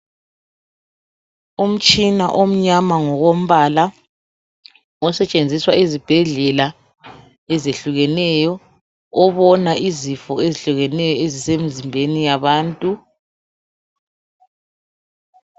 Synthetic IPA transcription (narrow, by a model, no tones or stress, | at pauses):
um̩t͡ʃʼinaʔom̩ɲamaŋɔɣom̩βala | ɔsɛt͡ʃʼend͡zʱiswaizib̥ʱɛɮɛla | ɛzeɬuɣɛnɛjɔ | ɔβɔnaʔizifɔeziɬuɣɛnɛjɔezisem̩zimbʱenijaβaːntʼu